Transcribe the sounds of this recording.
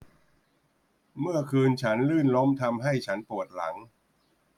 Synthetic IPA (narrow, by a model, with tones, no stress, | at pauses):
mɯ˥˩ɐkʰɯː˧nt͡ɕʰa˦˥nlɯː˥˩nlo˦˥mt̪ʰa˧mɦa˥˩jt͡ɕʰa˦˥npu˨˩ət̪̚la̰˩˦ŋ